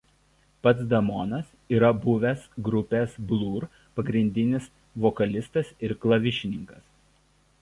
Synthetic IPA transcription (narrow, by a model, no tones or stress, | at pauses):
pɐt̪sd̪ɐmoːnɐs | iːɾɐbʊʋʲɛsɡɾʊpʲeːsblˠuːɾ | pɐɡɾʲɪnʲd̪ʲɪnʲɪs | ʋoːkɐlʲɪst̪ɐsɪɾklˠɐʋʲɪʃʲɪnʲɪŋkɐs